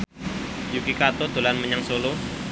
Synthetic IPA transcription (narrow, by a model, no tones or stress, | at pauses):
jukikat̪od̪̥o̤lanməɲaŋsolo